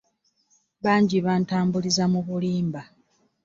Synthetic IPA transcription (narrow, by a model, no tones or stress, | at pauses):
βaːɲɟiβaːntaːmbulizamuβuliːmba